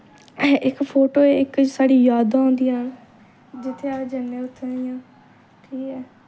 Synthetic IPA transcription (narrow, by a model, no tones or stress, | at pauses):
ʔɪkpʰoːʈoːeːɪksaːɽiːjaːd̪aːõːnd̪ijãː | d͡ʒɪt̪ʰːeaːd͡ʒənːẽːʊt̪ʰːaijãː | ʈʰiːkɛː